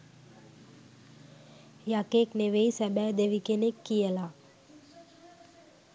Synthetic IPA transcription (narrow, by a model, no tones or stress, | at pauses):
jakekneʋeisɛbɛd̪eʋikenekːijəla